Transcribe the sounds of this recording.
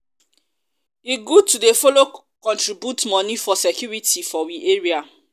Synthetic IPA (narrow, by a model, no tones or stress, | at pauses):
iɡutudefolo | kɔ̃ntɹibjutmɔ̃nifɔsekjuɹitifɔwiʔeɹia